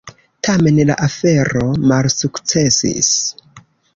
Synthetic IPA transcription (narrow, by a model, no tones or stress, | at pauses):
tʰame̞nla̰ʔafe̞ɾo̞malsukt͡se̞sḭs